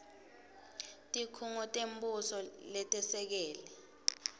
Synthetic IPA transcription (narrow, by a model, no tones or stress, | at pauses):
tʼikʰuŋɔtʼembusɔlɛtʼɛsɛk̬ɛːlɛ